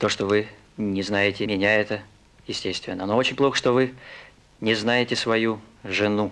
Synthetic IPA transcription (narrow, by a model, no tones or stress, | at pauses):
t̪o̞ʂt̪ovɨ | nʲɪznajɪtʲɪmʲɪnʲaɛt̪ə | jɪsʲtʲesʲt̪vʲɪ̰nːənoot͡ɕɪnʲplˠo̞xə̥ʂt̪o̞vɨ | nʲɪznajɪtʲɪsvɐjuʐɨnu